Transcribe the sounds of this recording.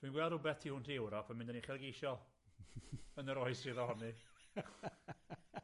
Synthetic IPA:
d̥winɡwɛlˠdʊbɛθtʰihʊntʰiewɾɔpʰəmɪ̃ndaniχɛlˠɡejʃɔlˠ | ənəɾɔjsiðɔhɔni

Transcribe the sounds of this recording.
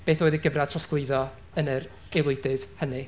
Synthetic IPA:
b̥eːθoːjðiɡəvrḁtʰrɔsɡ̥lʊɨðɔ | ənəɾ | elˠʊjdɨðhənɨ

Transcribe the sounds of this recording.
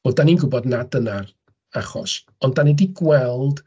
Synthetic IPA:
odaninɡʊbɔdnadənar | aχɔ̰s | ɔndanɛdiɡwɛlˠd̥

